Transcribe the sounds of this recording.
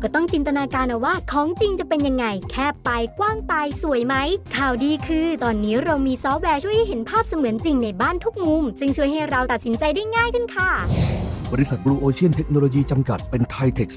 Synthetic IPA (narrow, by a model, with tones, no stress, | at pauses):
kɔː˥˩t̪ɔ˥˩ŋt͡ɕi˧nt̪a˧naː˧kaː˧nʔa˧˩waː˥˩kʰɔː˨˦ŋt͡ɕi˧ŋt͡ɕa˨˩pe˧nja˧ŋːa˧jkʰɛː˥˩pːa˧jkwaː˥˩ŋt̪aː˧jsu˨˩˦əjma˦˥jkʰaː˨˩wdiː˧kʰɯː˧t̪ɔː˧nːiː˦˥ɾa˧wmiː˧sɔː˦˥p̚wɛː˧t͡ɕʰu˥˩əjha˥˩jɦe˩˦npʰaː˥˩p̚sa˧mɯ˨˩˦nt͡ɕi˧ŋna˧jbaː˥˩nt̪ʰu˦˥k̚mu˧msɯ˥˩ŋt͡ɕʰu˥˩əjɦa˥˩jɾa˧wt̪a˨˩t̪̚si˩˦nt͡ɕa˧jda˥˩jŋaː˥˩jkʰɯ˥˩nkʰa˥˩bɔː˧ɾi˧˥sa˨˩t̪̚kɾuː˧ʔoː˧t͡ɕʰi˥˩ənt̪ʰe˦˥k̚no˧loː˧jiː˧t͡ɕa˧mka˨˩t̪̚pe˧nt̪ʰa˧jt̪ʰe˨˩k̚s